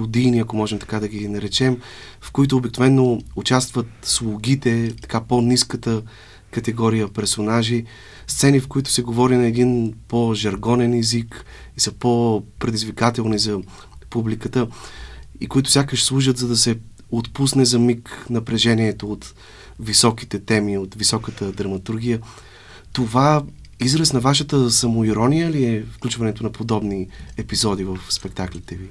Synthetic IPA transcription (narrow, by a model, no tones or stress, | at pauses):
ʊd̪ijniɐkomɔʒɛmt̪ɐ̥kad̪ɐɡinɐɾɛt͡ʃɛm | fkoit̪ʊːbik̚novɛnːout͡ʃast̪vət̪slˠʊɡʲit̪ɛt̪ɐ̥kaponiskət̪ə | kɐt̪ɛɡɔɾijəpɛɾsonaʒi | st̪sɛnifkoit̪ʊ̥sɛɡovɔɾinɐɛd̪inpoʒɐɾɡɔnɛnɛzik | isəpopɾɛd̪izvikat̪ɛlˠnizɐ | publikət̪ə | ikoit̪ʊ̥sʲjakəʃslˠuʒət̪zɐd̪ɐsɛ | ot̪pusnɛzɐmiknɐpɾɛʒɛniɛt̪oot̪ | visɔki̥t̪ɛt̪ɛmiot̪visɔkət̪əd̪ɾɐmɐt̪uɾɡ̟ʲijə | t̪ova | izɾəsnɐvaʃət̪əsɐmoiɾɔnijəliɛfklʲut͡ʃvɐnɛt̪onɐpod̪ɔbniɛpizɔd̪ivəfspɛk̚t̪aklit̪ɛvi